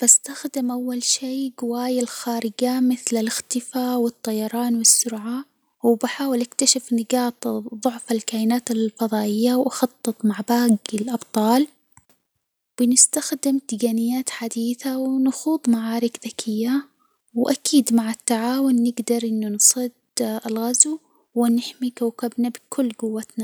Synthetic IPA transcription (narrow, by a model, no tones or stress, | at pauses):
b̥ast̪axd̪ɪmʔawːalʃiːɡʊwaːjalxaːɾɪɡamɪθlalɪxt̪ɪfawɪt̪ˤːɑjɑɾˤɑːnwɪsːʊɾʕa | wbɪħaːwɪlʔakt̪aʃɪfnɪɡɑːt̪ˤðˤʊʕfalkaːʔɪnaːt̪alfɑðˤɑːʔɪjːawʔɑxɑt̪ˤːɨt̪ˤmaʕbaːɡɪlʔɑbt̪ˤɑːl | b̥ɪnɪst̪axd̪ɪmd̪ɪɡaːnɪjːaːt̪ħad̪iːθawnɑxuːðˤmaʕaːɾɪkðakʰɪjːa | wʔakiːd̪maʕat̪ːaʕaːwʊnːɪɡd̪ɑɾˤʔɪnːʊnsˤɨd̪ɪlɣazu | wɪnːɪħmikawkabnabɪkʰʊlːɡʊwːat̪na